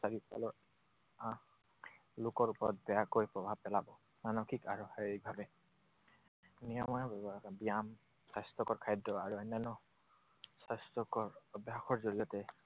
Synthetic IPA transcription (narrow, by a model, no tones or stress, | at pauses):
saɹita̰lɔ | a | lʊkɔɹupɔɹɔt̚bɛjakojpɹɔbʱab̚pɛlabɔ | manɔkʰikaɹuheɹibʱabɛ | nijɔmɔjabɛbabijam | sajstɔkɔɹkʰajdːɔaɹuɛnɛnɔ | sastɔkɔɹɔbjaxɔɹzoɹijɔtɛ